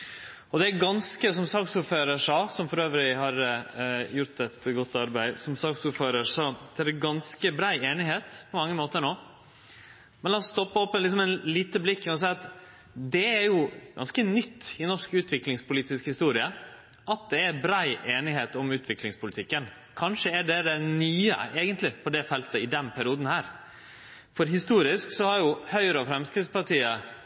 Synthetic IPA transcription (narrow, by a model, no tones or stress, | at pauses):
ɔd̪ɛæɾɡɑnskəsɔmsɑːksuːɾføːɾəʂɑːsɔmfɔɾøːʋɾɪhɑɾ | jʊɾʈ̪ɛt̪ɡɔt̪ːɑɾbæɪsɔmsɑːksuːɾføːɾəʂɔd̪ʰæɖɛɡɑnskəbɾæɪeːnɪheːt̪pʰɔmɑŋːəmoːt̪əɾɳoː | mɛnlɑːɔst̪ɔpːəɔpːəlɪksɔmɛnliːt̪əblɪkːɔɔs̬æɪɑt̪ | d̪ɛæɾjʊɡɑ̰nskənʏt̪ːɪnɔʂkʉːt̪ʰʋɪklɪŋspʰʊliːt̪ɪskhɪst̪uːɾɪə | ʔɑt̪̚d̪ɛæbɾæɪʔeːnɪɦeːt̪ɔmʉːt̪ʰʋɪklɪŋspʰʊlɪt̪ʰɪkːən | kʰɑnʂəæɖɛd̪ɛnyːə̰eːɡənt̪lɪpʰɔd̪ɛfɛlt̪əɪd̪ɛnpʰæɾɪuːd̪n̩hæːɾ | fɔɾɦɪst̪uːɾɪsksɔhɑɾjʊhœʏəɾɑfɾɛmskɾɪspɑʈʰiːə